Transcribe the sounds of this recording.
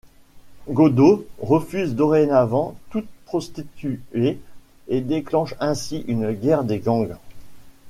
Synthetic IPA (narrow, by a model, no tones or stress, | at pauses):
ɡod̪oʁəfyzd̪ɔʁenavɑ̃t̪ut̪̚pχɔst̪it̪ye | ed̪eklɑ̃ʃɛ̃siʔynɡʲɛʁd̪eɡɑ̃ɡ